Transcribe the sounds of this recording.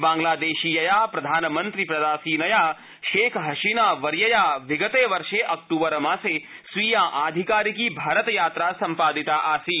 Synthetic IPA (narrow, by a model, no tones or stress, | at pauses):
bãːŋɡlaːd̪eːʃiːjɐjaːpɾɐd̪ʱaːnɐmɐnt̪ɾipɾɐd̪aːsiːnɐjaː | ʃeːkʰɦɐʃinaːʋɐɾjɐjaːʋiɡɐt̪eːʋɐɾʃeːʔɐk̚ʈuːbɐɾɐmaːseː | sʋiːjãːʔaːd̪ʱikaːɾik̬iːbʱaːɾət̪jaːt̪ɾaːsɐ̃mpaːd̪it̪aʔaːsiː